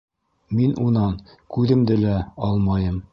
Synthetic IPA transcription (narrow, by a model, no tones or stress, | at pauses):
minʔunɑn | kʉðɘ̆md̪ɘlæɒlˠmɑjɤm